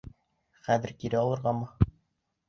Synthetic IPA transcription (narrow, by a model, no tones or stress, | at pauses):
χæðɘ̆ɾkiɾɘɑlˠɤ̆ɾʁɑmɤ